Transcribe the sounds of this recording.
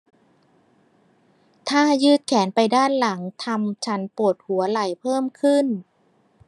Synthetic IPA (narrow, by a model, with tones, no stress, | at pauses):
t̪ʰaː˥˩jɯː˥˩t̪̚kʰɛː˩˦npa˧jdaː˥˩nla˩˦ŋt̪ʰa˧mt͡ɕʰa˧˦˥npu˨˩ət̪̚hu˩˦ɐla˨˩jpʰɤː˥˩mkʰɯ˥˩n